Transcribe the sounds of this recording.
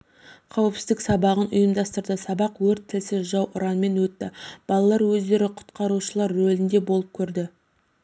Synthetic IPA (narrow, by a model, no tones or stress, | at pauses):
qʰɑwəpsɪzd̪ɪksɑbɑʁənʔʊjəmd̪ɑst̪əɾd̪əsɑbɑqwɵɾt̪ʰːɪlsɪʒɑwʔʊɾɑnme̞nwɵt̪ːɪb̥ɑlˠɑlˠɑɾwɵzd̪e̞ɾɪqʰʊ̥t̪qɑɾuʃəlˠɑɾːɵlɪnd̪e̞bo̞lˠəp̚kʲʰɵɾd̪ɪ